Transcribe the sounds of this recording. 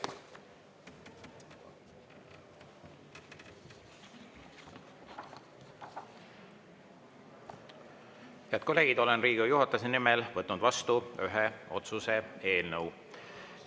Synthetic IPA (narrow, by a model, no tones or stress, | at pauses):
heæɐd̪̚ko̞lːeːɡ̥id̪o̞lenriːɡujuɦɑt̪ːˑɑsenimelvɤt̪ːnud̪vɑst̪uyɦeo̞t̪suse̞e̞ːlnəw